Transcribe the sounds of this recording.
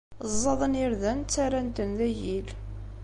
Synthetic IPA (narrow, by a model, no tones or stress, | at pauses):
zˤːɑðˤəniɾðænt͡sːaɾænt̪ənðæjil